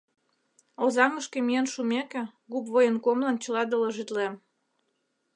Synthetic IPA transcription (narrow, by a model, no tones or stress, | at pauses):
ozɑŋəʃkemijənʃumekeɣupβojənkomlɑnt͡ɕəlɑd̪ələʒit̪lem